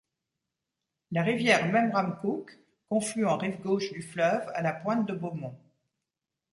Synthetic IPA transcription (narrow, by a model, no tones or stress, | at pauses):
laʁivjɛʁmɛmʁamkukː | ɔ̃flyɑ̃ʁivɡoʃd̪yflœva̰lapwɛ̃t̪̚d̪əbomɔ̃